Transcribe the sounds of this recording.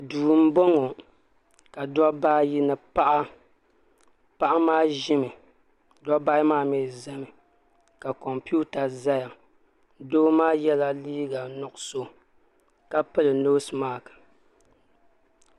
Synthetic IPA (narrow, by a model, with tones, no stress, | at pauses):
duː˨m̩˦bɔ˦ŋo˨ | ka˨dɔ˦ba˦ji˦nɨ˨pa˦ʔa˦ | pa˦ʔa˦maː˦ʒɪ˦mɨ˨ | dɔ˦ba˦maː˦˨mɛː˦˨zɛ˦mɨ˨ | ka˨kɔ˨mpi˦u˦ta˨za˦ja˨ | doː˦maː˦jɛ˦la˦liː˦ɡa˨nʊ˨ʔʊ˨so˦ | ka˦pɨ˦lɨ˨no˦smaː˦˨kɨ̥˨